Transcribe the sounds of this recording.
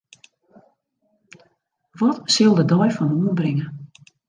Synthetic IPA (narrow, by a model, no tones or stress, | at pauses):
ʋɔtsɪlˠdədɔjfɔnuənbrɪŋə